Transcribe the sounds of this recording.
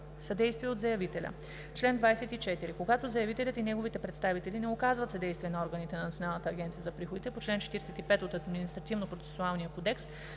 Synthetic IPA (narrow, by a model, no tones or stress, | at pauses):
sɐd̪ɛjst̪viɛod̪zɐjɐvit̪ɛlʲɐ̰ | t͡ʃlɛnd̪vajsɛt̪it͡ʃɛt̪iɾikoɡat̪ozɐjɐvit̪ɛlʲət̪inɛɡovit̪ɛpɾɛt̪st̪avit̪ɛlinɛokazvɐt̪sɐd̪ɛjst̪viɛnɐɔɾɡənit̪ɛnɐnɐt̪sʲionalˠnət̪əːɡʲɛnt̪sijəzɐpɾixod̪it̪ɛpot͡ʃlɛnt͡ʃɛ̥t̪iɾɛsɛt̪ipɛt̪ot̪ɐd̪minist̪ɾɐt̪ivnopɾot̪sɛ̥sʊalˠnijəkod̪ɛks